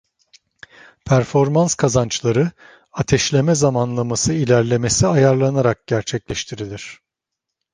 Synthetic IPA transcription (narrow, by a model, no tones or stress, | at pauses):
pʰæɾfo̞ɾmanskʰazant͡ʃlˠaɾɯ | at̪ʰɛʃlʲe̞mɛzamanlˠamasɯilʲæɾlʲe̞me̞siajaɾlˠanaɾak̚ɟ̥æɾt͡ʃʰɛclʲɛʃt̪ʰiɾilʲiɾ̝̥